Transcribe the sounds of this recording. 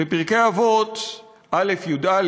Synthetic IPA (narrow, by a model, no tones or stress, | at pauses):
bepiʁkeavot̪ | ʔale̞fjud̪al